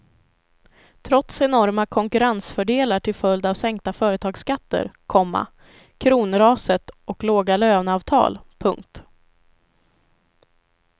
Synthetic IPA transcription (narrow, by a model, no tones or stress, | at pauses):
t̪ʰɾɔt̪sɛnɔɾmakʰɔŋkɵɾansfœɖeːlaʈʰɪlfœld̪avsɛŋk̚t̪afœːɾət̪ʰɑːɡskat̪ːə̰ɾkʰɔmːa̰ | kʰɾuːnɾɑːsət̪ʔɔkloːɡaløːvnɑːvt̪ʰɑ̰ːlpʰɵŋk̚t̪